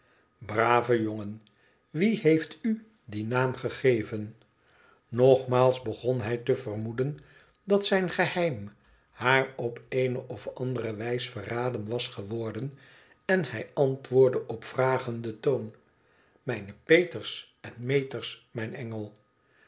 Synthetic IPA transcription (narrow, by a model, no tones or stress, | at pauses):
braːvəjoŋən | ʋiɦejfty | dinaːmχəχejvən | nɔχmaːlˠzbəχɔnɦɛjtəvərmudən | dɑtsɛjnχəhɛjm | haːɹɔpejnəʔɔfɑ̰ndəɾəʋɛjsfəraːdənʋɑsχəʋɔɹdən | ɛnhɛjɑntʋʊːɹdəʔɔpfraːχəndətown | mɛjnəpejtəɹs | ɛnmejtəɹsmɛjnɛŋəlˠ